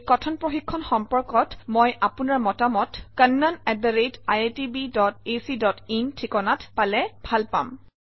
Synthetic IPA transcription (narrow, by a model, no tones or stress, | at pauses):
kɔtʰɔnpɹɔxikʰːɔnxɔmpɔɹkɔtmɔjʔapunaɹmɔtamɔtkənːanɛdaɹetajetibidɔt̚esidɔtintʰikɔnatpalɛbʱalpa̰m